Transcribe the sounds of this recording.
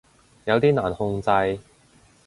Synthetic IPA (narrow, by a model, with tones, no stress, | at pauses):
jɐ˨˧wt̪iː˥naː˨˩nhʊ˧ŋt͡sɐ˧j